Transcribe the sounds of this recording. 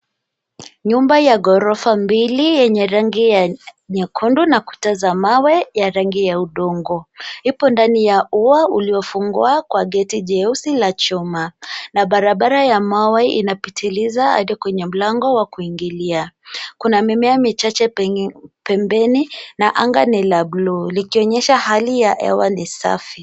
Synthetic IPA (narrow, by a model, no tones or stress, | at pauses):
ɲumbajaɡɔɾɔfambilijɛɲɛɾaŋɡijaɲɛkʰundunaku̥tazamawɛjaɾaŋɡijauɗɔŋɡɔhipɔndanijauauliɔfuŋɡuakwaɡɛtiʄɛusilat͡ʃɔmanaɓaɾaɓaɾajamawaiʔḭnapitʰilizaa̰ɗikwɛɲɛm̩laŋɡɔwakuiŋɡiliakunamimɛamit͡ʃat͡ʃɛ | pɛmbɛninaʔaŋɡanilablulikiɔɲɛʃahalijaʔɛ̰wanisa̰fi